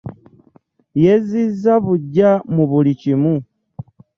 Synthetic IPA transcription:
jezizaβuɟamuβulicimu

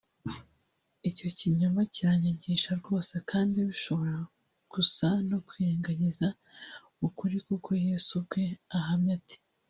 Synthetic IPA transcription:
ico̞ciɲomaciɾaɲaɟiːʃaɾɡo̞ːsekaːndiβiʃo̞βo̞ɾa | ɡ̥usano̞kwiɾeːŋɡaɲiza | ukuɾikukʰo̞jeːsub̚ɡe̞aɦamɲati̥

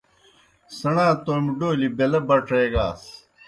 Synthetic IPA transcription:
sɐɳãːt̪oːmɖoːlibelɐbɐʈʰeːɡaːs

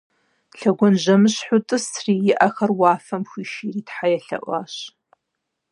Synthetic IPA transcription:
ɬɐɡʷɔnʒɐmɨɕħʊtʼɨsʰriːjɪʔɐxɐrwaːfɐmxʷiːʃiːriːtħajɛɬɐ̰ʔʷa̰ːɕ

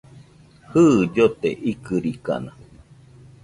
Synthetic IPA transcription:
hɨd͡ʒot̪ḛʔikɨɾika̰na

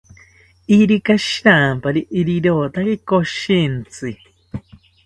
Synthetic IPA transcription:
iɾikaʃɾampaɾiʔːɾiɾoːt̪akekoʃint͡sɨ

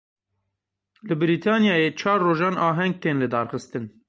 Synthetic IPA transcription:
lɨbɨɾiːt̪ʰɑːnjɑːjeːt͡ʃʰɑːɾːoːʒɑːnɑːɦɛŋɡ̚t̪ʰeːnlɨd̪ɑːɾxɨst̪ɨn

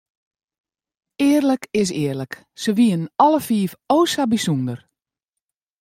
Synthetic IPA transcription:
ɪərləkɪs̬ɪərlək | səʋiənnɔləfiːfoːsabisundər

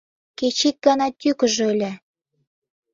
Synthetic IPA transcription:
ket͡ɕik̚ɡɑnɑt̪ʲykə̆ʒølʲe

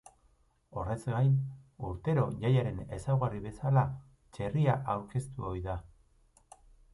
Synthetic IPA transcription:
o̞re̞zɡajnuɾt̪e̞ɾo̞ʝajaɾe̞ne̞sawɣariβe̞sala | t͡ʃe̞riaʔawɾke̞st̪uo̞jða

